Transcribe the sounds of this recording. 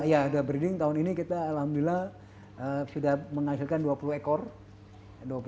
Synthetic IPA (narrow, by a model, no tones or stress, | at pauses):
jaːdabəɾidɪŋt̪aɦʊninikit̪aːlhamduilah | əsudahməŋasɪlkanduapuluhekɔr | duap